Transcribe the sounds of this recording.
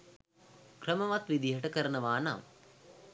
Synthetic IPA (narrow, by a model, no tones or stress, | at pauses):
krəmɐʋat̪ʋid̪iɦɐʈəkəɾɐnɐʋaːna̰m